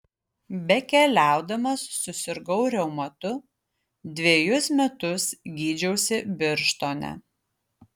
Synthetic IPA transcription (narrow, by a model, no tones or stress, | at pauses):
bʲɛkʲɛlʲæˑʊd̪ɐmɐsːʊsʲɪɾɡɐʊɾʲɛʊmɐt̪ʊ | d̪ʲʋʲeːjʊsmʲɛt̪ʊsɡʲiːd͡ʒʲɛʊsʲɪbʲɪɾʃt̪oːnʲɛ̰